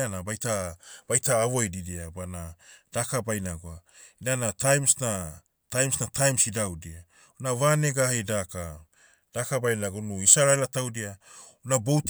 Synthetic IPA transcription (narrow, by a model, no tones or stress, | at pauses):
anabajtab̥ajtaːvojdidiabanad̥akabajnaɡoainanatajmsna | tajmsnatʰajmsidawdia | unavane̞ɡahajdaka | d̥akabajnaɡonuisaɾaelatawdia | unabowt